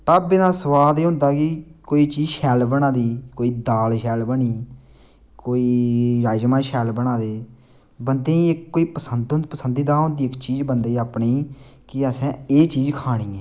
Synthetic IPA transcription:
ʈaːbenaːsəʋaːd̪eːɦʊ̃nd̪aːkikoːiːt͡ʃiːzʃɛːlbəɽ̃ãːd̪iːkoːiːd̪aːlʃɛːlbəɽiː | koːiːɾaːd͡ʒmãːʃɛːlbəɽ̃aːd̪eː | bənd̪eːiɪkːoːiːpəsənd̪ʊ̃nd̪̚pəsənd̪iːd̪aːɦõnd̪iːɪkt͡ʃiːzbənd̪eːaːpɳeːkɪəsɛ̃ːeːt͡ʃiːzkʰaːɽ̃iːɛː

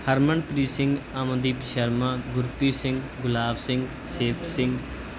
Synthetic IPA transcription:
həɾməɳpɾiːsɪ̃ŋɡaːməd̪iːpʃəɾmãːɡʊɾpiːsɪ̃ŋɡ | ɡʊlaːbsɪ̃ŋɡ | seːkʰsɪ̃ŋɡ

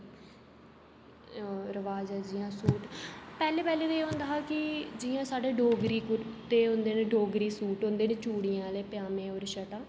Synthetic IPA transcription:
ɾəʋaːd͡ʒɛːd͡ʒɪjãːsuːʈpɛːleːpɛːleːt̪ːeːɦõnd̪aːɦaːkɪd͡ʒɪãːsaːɖeːɖoːɡɾiːkʊɾt̪eːɦõnd̪eːneːɖoːɡɾiːsuːʈɦõːnd̪eːneːt͡ʃuːɽɪjãːleːpɪjaːmẽːoːɾʃəʈãː

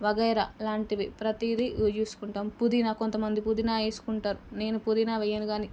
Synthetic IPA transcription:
ʋɐɡɐjɾɐlaːɳʈiʋipɾɐt̪iɾid͡ʒeːsu̥kuɳʈaːmpud̪inakont̪ɐmɐnd̪ipud̪inaːeːsu̥kuɳʈaːɾune̞ːnupud̪inaːʋɛjːɐnuɡaːni

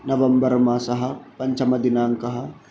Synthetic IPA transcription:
nɐʋɐmbəɾmãsɐɦɐpɐɲt͡ʃʰɐmɐd̪inaːŋkɐɦɐ

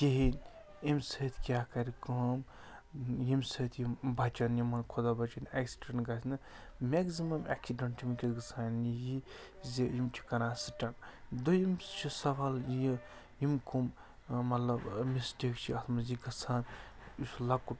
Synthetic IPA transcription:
keɦin | emsɐt̪ʰkʲjakɐɾikɐm | jimsɐt̪ʰjimbʱɐt͡ʃɐnjimɐnkʰod̪abɐt͡ʃɐneksi̥ɖɐɳɡɐsʰnɨ | meɡsimɐmḛksiɖɐɳʈʰimkʲiɡɐt͡sʰaːniji | zijimt͡ʃʰi̥kɐnasiʈɐnd̪ojimt͡ʃʰisɐʋalji | jimkʰum | mɐt̪lɐbmisʈikt͡ʃʰiɐt̪ʰmɐziɡɐsʰanislɐkːu

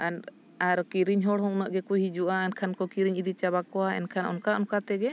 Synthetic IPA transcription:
an | aɾkiɾiɲɦɔɽɦɔŋnəʔɡɛkujɦid͡ʒuʔaɛnkʰankɔkiɾiɲid̪it͡ʃabakɔwaɛ̰nkʰanɔ̰nkaɔnkat̪ɛɡɛ

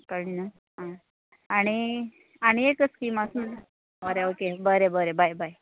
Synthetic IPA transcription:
kəlina | ɦã | aɽ̃i | aɽ̃iekət͡skimasm̤əɳ | əɾeokebəɾebəɾebʱajbʱaj

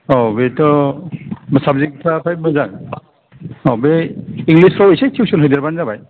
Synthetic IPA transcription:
ɔbetɔ | msab̚zikpʰɾapʰaj̚mɯzaŋ | ɔbeiŋlispʰɾɔbejsajtʰiwsunɦɔjdeɾbanzabaj

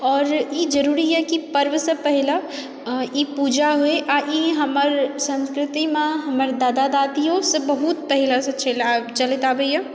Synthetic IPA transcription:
ɔːɾjed͡ʒəɾuːɾiɦɛkipəɾʋəsepɛɦɪla | jepuːd͡ʒaɦoeʔajeɦəməɾsə̃nskɾɪt̪imãɦɐməɾd̪aːd̪ad̪aːt̪ijõsebəɦut̪̚pɛɦɪlaset͡ʃelt͡ʃəlɪt̪aːbeijã

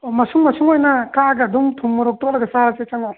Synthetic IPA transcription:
omɐsuŋmɐsuŋojnɐkaɡɐdumtʰuŋmuɾɔk̚tɔklɐɡɐsaɾat͡ʃet͡ʃaŋa

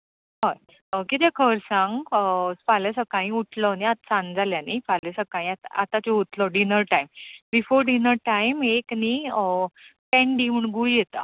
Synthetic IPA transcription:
ɦaj | kit̪ekʰəɾsãŋɡfalesəkaĩuʈʰlɔniat̪̚sãnd͡zʱaljanifalesəkãĩat̪a̰t̪at͡ɕeut̪lɔɖinəɾʈaimbifoɾɖinəɾʈaimekni | pɛ̃ɳɖiːm̤əɳɡujet̪a̰

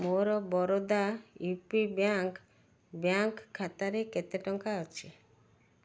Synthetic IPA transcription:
moɾɔbɔɾod̪ajupibjaŋk | bjaŋkkʰːat̪aɾeket̪eʈɔŋkaɔt͡ʃʰi

